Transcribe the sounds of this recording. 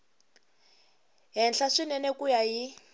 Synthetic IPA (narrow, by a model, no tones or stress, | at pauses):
ɦɛnɬaʂinɛnɛkujaɦi